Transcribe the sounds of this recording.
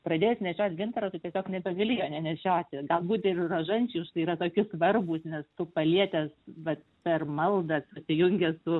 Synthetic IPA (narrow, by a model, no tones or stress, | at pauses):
prɐd̪ʲeːjɛsʲnʲɛʃʲoːt̪ʲɡʲɪnt̪ɐɾoːt̪ɪtʲiɛsʲoːknʲɛbʲɛʋʲɐlʲiːjoːnʲɛnʲɛʃʲoːt̪ʲɪɡɐlˠbuːt̪ʲɪrroʒɐnʲt͡ʃʲuʃt̪ɐɪiːɾɐt̪oːkʲʊsʋɐrbʊsnʲɛst̪ʊpɐlʲiɛt̪ʲɛsʋɐt̪pʲɛrmɐlˠd̪ɐsʊsʲɪjʊŋʲɡʲɛsʊ